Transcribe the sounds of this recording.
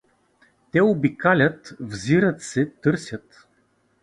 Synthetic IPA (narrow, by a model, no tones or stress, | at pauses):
t̪ɛobikalʲət̪vziɾət̪sɛt̪ɤɾsʲjət̪